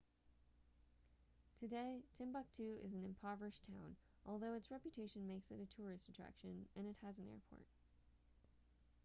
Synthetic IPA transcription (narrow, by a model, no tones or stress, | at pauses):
tʰɨdeɪtʰɪ̃mbʌk̚tʰʉɪ̰zn̩ɨ̃mpʰɑvə˞ɨʃtʰãʊ̃n | ʔɔlˠðoʊɨtsɹɛpjɨtʰeɪʃɨ̃n̩meɪksɨɾɨtʰʊɹɨstɨtʰɹ̥æ̰kʃɨ̃nɨ̃nɨt̚hɨzn̩ɛ̰ɹpʰɔ̰ɹt̚